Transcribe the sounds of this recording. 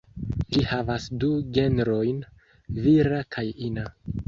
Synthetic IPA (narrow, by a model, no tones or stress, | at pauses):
d͡ʒihavasduɡe̞nɾo̞jn | viɾakʰajina